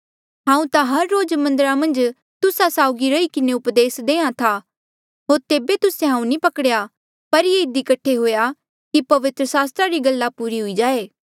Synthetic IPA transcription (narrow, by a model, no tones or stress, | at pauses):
ɦãːũt̪ãɦɐɾːoːd͡ʒmɐ̃nd̪əɾamɐ̃nd͡ʒ | t̪ʊsasaːʊɡiɾɐikɪneʊpd̪eːsd̪eːãt̪ʰa | ɦoːɾt̪eːbet̪ʊseɦãːũnĩpɐkəɽeja | pɐɾjeɪd̪ikɐʈʰeɦoːja | kipɐʋɪt̪ɾəsaːst̪ɾaɾiɡɐlːapuːɾiɦʊid͡ʒaːeː